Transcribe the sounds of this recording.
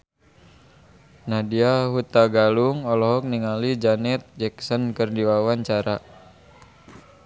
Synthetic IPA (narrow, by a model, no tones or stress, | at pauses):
nadiaɦut̪aɡaluŋɔlɔɦɔk̚niŋalid͡ʒanɛt̪̚d͡ʒɛksənkərdiwawaɲt͡ʃaɾa